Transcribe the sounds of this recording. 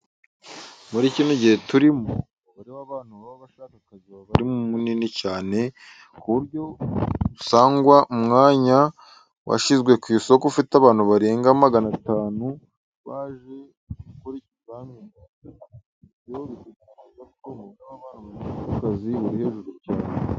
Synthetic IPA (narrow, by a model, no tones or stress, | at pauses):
muɾicinoɟihe̞tuɾimo | βaɾiβaβaːnuβaβaβaʃaːkakaziβaβaɾimumuninicaːne̞ | kuβuɾɟo̞usaːŋɡwaʔumŋaːɲa | wʔa̰ʃizɡwe̞kwiso̞kufitaβaːnuβaɾe̞ːŋɡamaɡanataːnu | βaːʒe̞ | ukoɾicizaŋena | βjoβituɡanizakomuβaeβaβaːnaβaaakakaziβuɾihe̞ːʒuɾucaːne